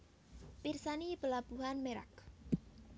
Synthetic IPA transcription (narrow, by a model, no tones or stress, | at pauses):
pirsanibəlab̥uɦanmeɾa̰k